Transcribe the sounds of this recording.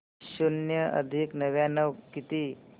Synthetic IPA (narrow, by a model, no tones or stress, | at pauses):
ɕunjəʔə̰d̪ʱiknəʋjanəʋkit̪iː